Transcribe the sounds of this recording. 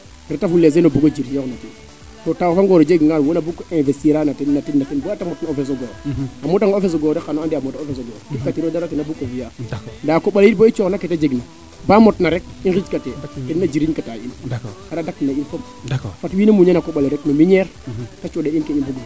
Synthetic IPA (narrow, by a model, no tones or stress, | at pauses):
ɾetafulːes̬enobuɡod͡ʒiɾjoknatin | totawfaŋɡoɾod͡ʒeɡŋɡalwonabukːoẽnvestiɾanatinːatinnatinbatamotnaofes̬oɡoamotaŋofes̬oɡoɾexanoandiamotaofes̬oɡo̰kikatiɾodaɾakinabukovijandakoɓaliboit͡ʃoknaketad͡ʒeɡna | bamotnaɾek̚inxit͡ʃkateennad͡ʒiɾiɲkatainkaɾadakːinainfom | fatwinamuɲenakoɓaleɾeknomiɲeɾkat͡ʃodeinkeibuɡo